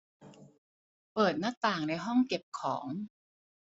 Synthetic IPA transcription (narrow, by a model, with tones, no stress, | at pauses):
pɤː˨˩t̪̚na˦˥k̚t̪aː˨˩ŋna˧jɦɔ˥˩ŋke˨˩p̚kʰɔː˩˦ŋ